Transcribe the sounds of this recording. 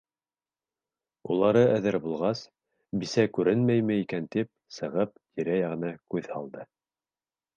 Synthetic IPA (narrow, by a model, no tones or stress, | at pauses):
ulˠɑɾɤʔæðɘɾbulˠʁɑs | bisækʉɾɘnmæjmɘikænt̪ip̚sɤ̆ʁɤp̚t̪ʰiɾæjɑʁɤ̆nɑkʉðhɑ̰lˠd̪ɤ